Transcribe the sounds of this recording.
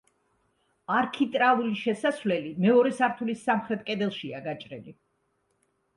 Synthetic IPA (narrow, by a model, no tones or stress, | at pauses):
aɾkʰit̪ʼɾalˠuliʃɛsasvlɛlimɛɔɾɛsaɾt̪ʰulisːamχɾɛt̪ʼkʼɛd̪ɛlˠʃiaɡat͡ʃʼɾɛ̰li